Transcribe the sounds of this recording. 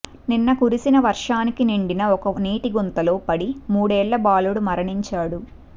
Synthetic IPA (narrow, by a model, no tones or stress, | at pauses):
ninːɐkuɾisinɐʋɐɾʂaːnikiniɳɖinɐɔkɐniːʈiɡunt̪ɐlo̞ːpɐɽimuːɽɛːɭːɐbaːluɽumɐɾɐɳiɲt͡ʃaːɽu